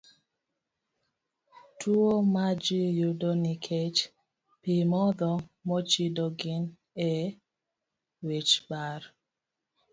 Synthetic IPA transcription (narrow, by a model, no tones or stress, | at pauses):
tʰuomad͡ʒijudɔnikʰet͡ʃ | pimɔðɔmɔt͡ʃidɔɡɪn | ɛ | wet͡ʃbaɾ